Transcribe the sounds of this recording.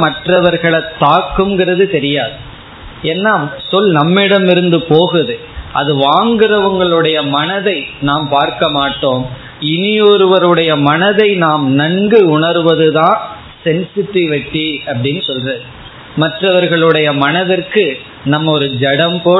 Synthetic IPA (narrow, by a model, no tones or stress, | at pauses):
mɐʈrɐʋɐɾɣɐɭɐt̪ːaːkːɯmɡɪrɐðɯt̪ɛɾɪjaːðɯ | ɛnːaːsɔlnɐmːɪɽɐmɪɾɯnd̪ɯpoːɣɯðɯ | ʔɐðɯʋaːŋɡɪrɐʋɐŋɡɐɭɯɽɐjɐmɐnɐðɐɪnaːmpaːɾkɐmaːʈːoːm | ɪnɪjɔɾɯʋɐɾɯɽɐjɐmɐnɐðɐɪnaːmnɐŋɡɯʊɳɐɾɯʋɐðɯðãː | sɛnsɪʈːiʋɛʈːiɐpːɐɽɪnːɯsɔlrɐðɯ | mɐʈrɐʋɐɾɣɐɭɯɽɐjɐmɐnɐðɪrkɯ | nɐmːɐɔɾɯd͡ʒɛɽɐmpoː